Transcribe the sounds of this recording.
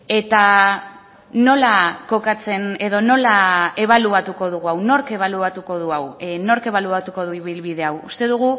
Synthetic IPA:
e̞t̪a | no̞lako̞kat͡se̞ne̞ðo̞no̞lae̞β̞aluat̪uko̞ðuɣuawno̞ɾke̞β̞aluat̪uko̞ðuawno̞ɾke̞β̞aluat̪uko̞ðuiβilβið̞e̞awust̪e̞ðuɣ̞u

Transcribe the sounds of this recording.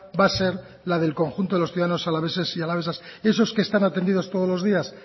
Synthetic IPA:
base̞ɾ | lað̞e̞lko̞ŋxunt̪o̞ðeosθiuðaano̞salaβe̞sesialaβe̞sase̞so̞skest̪anat̪e̞nd̪iðot̪oðo̞zlo̞zðias

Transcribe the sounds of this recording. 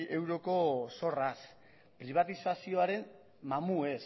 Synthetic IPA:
e̞wɾo̞ko̞so̞ras | pɾiβ̞at̪isasio̞aɾe̞n | mamue̞s

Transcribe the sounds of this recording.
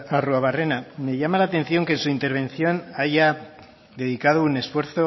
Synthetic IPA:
aruaβare̞name̞ʝamalaːt̪e̞n̟θjo̞ŋkensuint̪eɾβ̞ẽ̞nθjo̞naʝa | ðe̞ðikað̞oune̞sfwe̞ɾθo̞

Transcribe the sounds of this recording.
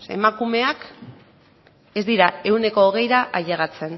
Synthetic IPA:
ḛmakume̞ak | e̞zd̪iɾae̞wne̞ko̞ːɣ̞e̞jɾaʔaʎeɣat͡se̞n

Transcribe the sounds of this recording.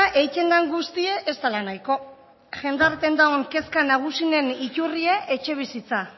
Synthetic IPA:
ʔe̞jt͡ʃ̪e̞nd̪aŋɡust̪ieʔest̪alanajko̞ | ʝe̞nd̪aɾt̪e̞nd̪aoŋke̞skanaɣ̞usine̞nicurieʔet͡ʃe̞β̞isit͡sa

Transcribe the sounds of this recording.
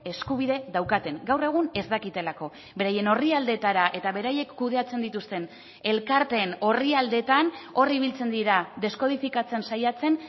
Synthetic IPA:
e̞skuβ̞iðe̞ðawkat̪e̞ŋɡawre̞ɣ̞une̞zd̪akit̪e̞lako̞ | be̞ɾaje̞no̞riald̪e̞t̪aɾaʔe̞t̪aβ̞e̞ɾaje̞kːuð̞e̞at͡se̞nd̪it̪ust̪e̞n | e̞lkaɾt̪e̞no̞riald̪e̞t̪ano̞riβ̞ilt͡se̞nd̪iɾaðe̞sko̞ð̞ifikat͡se̞nsajat͡se̞n

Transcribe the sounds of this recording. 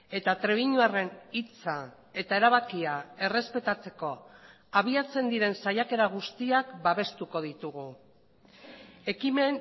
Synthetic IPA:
e̞t̪at̪ɾe̞βiɲuare̞nit͡sa | e̞t̪ae̞ɾaβ̞akiae̞re̞spe̞t̪at͡se̞ko̞ | aβiat͡se̞nd̪iɾe̞nsajake̞ɾaɣ̞ust̪iakbaβe̞st̪uko̞ð̞it̪uɣu | e̞kime̞n

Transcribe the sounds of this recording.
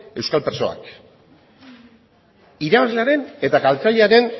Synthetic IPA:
e̞wskalpeɾso̞a̰k | iɾaβazle̞aɾe̞ne̞t̪aɣalt͡saʎe̞aɾe̞n

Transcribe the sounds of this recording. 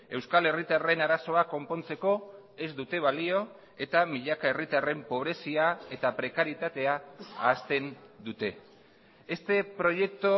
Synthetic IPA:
e̞wskale̞rit̪are̞naɾaso̞ako̞mpo̞nt͡se̞ko̞ | e̞zd̪ut̪e̞β̞alio̞ | e̞t̪amiʎakae̞rit̪are̞mpo̞β̞ɾe̞siae̞t̪apɾe̞kaɾjit̪at̪e̞aaːst̪e̞nd̪ut̪e̞ | est̪e̞pɾo̞je̞k̚t̪o

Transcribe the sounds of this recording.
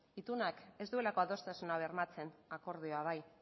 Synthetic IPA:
it̪unake̞zd̪ue̞lako̞aðo̞st̪asunaβeɾmat͡se̞nako̞ɾð̞io̞aβ̞aj

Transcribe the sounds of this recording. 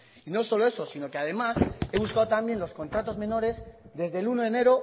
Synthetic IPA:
ino̞so̞lo̞e̞so̞sino̞keað̞e̞mase̞β̞uskaðot̪ambje̞nlo̞sko̞nt̪ɾat̪o̞zmẽ̞no̞ɾe̞zd̪e̞zðelunoðene̞ɾo̞

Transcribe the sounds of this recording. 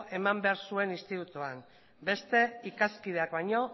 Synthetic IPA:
ʔe̞mambe̞aɾsue̞nist̪it̪ut̪uam | be̞st̪e̞ikaskið̞e̞akβajɲo̞

